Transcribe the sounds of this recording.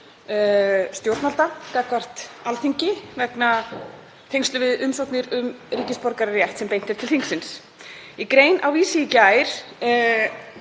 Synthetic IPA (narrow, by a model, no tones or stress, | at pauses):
st̪jowɾt̪nalt̪akaːkvar̥t̪alθiɲcɪvɛkna | θʰejŋst̪ʏvɪðʏmsowt̪nɪɾʏmriːcɪspɔɾkaɾarjɛht̪sɛmpejnt̪ɪɾ̥t̪ʰɪlθiŋksɪns | ikɾeːjnawiːsiːcajɾ̥